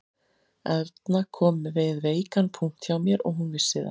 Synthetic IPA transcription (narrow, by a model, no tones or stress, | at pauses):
ɛvt̪nakʰɔːmvɪðveːjkanpʰuŋ̥t̪çjawmjɛɾɔ̰ɣɦunvɪ̥sɪːða̰